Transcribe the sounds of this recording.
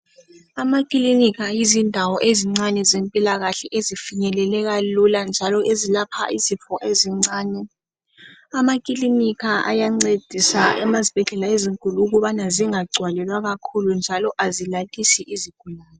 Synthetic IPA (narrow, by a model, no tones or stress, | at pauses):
amakʼilinikʰajizindʱawɔʔeziŋ͡ǀanɛzempʼilaɣaɬɛʔezifiɲɛlɛlɛɣaluland͡ʒʱalɔʔezilapʰa̰ʔizifɔʔeziŋ͡ǀaːnɛ | amakʼilinikʰaʔa̰jaŋ͡ǀed̥ʱisaɛmazib̥ʱɛɮɛlaeziŋkʼuluːɣuβanaziŋaɡ͡ǀʱwalɛlwaɣakʰulund͡ʒʱalɔʔazilatʼisiʔiziɡ̥ʱulaːnɛ